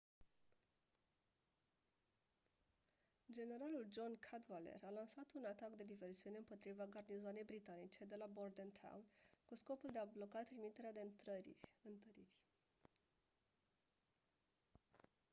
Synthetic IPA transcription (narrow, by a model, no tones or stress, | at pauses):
d͡ʒe̞ne̞ɾaluld͡ʒo̞nkʰat̪valḛralansat̪unat̪akd̪e̞d̪ive̞rsiuneɨmpo̞t̪ɾivaɡarnizoane̞jbɾit̪anit͡ʃe̞d̪e̞labord̪ent̪ʰa̰nkusko̞puld̪e̞ablo̞kat̪ɾimit̪e̞ɾead̪e̞ɨnt̪əɾirʲ